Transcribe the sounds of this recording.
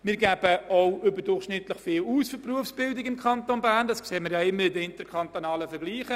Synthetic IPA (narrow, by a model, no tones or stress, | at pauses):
mɪːɾɡæb̥əoʊʏbəɾdʊrχʃnɪt̪ləχfɪːluːsføpruəfsb̥ɪldɪɡɪmkʰχɑnt̪onbæːʁndɑskseːmɪjɑɪmːəɾɪdəɪntəkʰɑnt̪onɑːləfɛɾɡ̥liːχə